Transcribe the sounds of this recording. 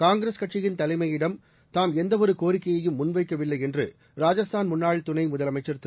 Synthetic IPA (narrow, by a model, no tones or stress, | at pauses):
kaːŋɡɪɾeskɐʈ̚t͡ʃɪjɪnt̪ɐlɐɪmɐjɪɽɐm | t̪aːmɛnd̪ɐʋɔɾɯkoːɾɪkːɐjɐjɯmːʊnʋɐɪkːɐʋɪlːɐɪɛndrɯ̰ | ɾaːd͡ʒɐst̪ʰaːnmʊnːaːɻlt̪ʊnɐɪmʊðɐlɐmɐɪt͡ʃːɐɾt̪ːɯ